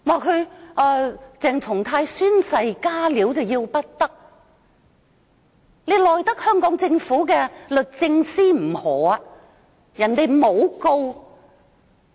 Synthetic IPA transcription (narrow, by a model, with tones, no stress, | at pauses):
waː˨˩kʰɵ˨˧ɥʔɛː˧t͡sɛː˨ŋt͡sʰʊ˨˩ŋt̪ʰaː˧jsyː˥nsɐ˧jkaː˥liː˨˥wt͡sɐ˨wjiː˧wpɐ˥t̚t̪ɐ˥k̚ | ne˨˧jlɔː˨˩jt̪ɐ˥k̚hœː˥ŋkɔː˨˥ŋt͡sɪ˧ŋfuː˨˥kɛ˧lɵ˨t̚t͡sɪ˧ŋsiː˥m̩˨˩hɔː˨˥a˨˧ | jɐ˨˩nt̪e˨jmo˨˧wko˧w